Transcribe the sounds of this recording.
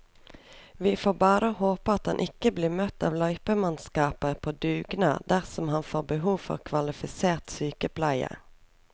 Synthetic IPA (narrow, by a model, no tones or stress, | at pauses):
ʋiːfoːbɑːɾəhoːpəɑt̪hɑnʔɪkəbliːmœt̪ːɑ̰ːʋlɑʏpəmɑnskɑːpəʁpʰoːd̪ʉːɡnɑ̰d̪æʁsɔmhɑnfoːʁbəɦuːʋfɔ̰ʁkʰʋɑlɪfɪseːʁt̪syːkəpʰlæɪə̰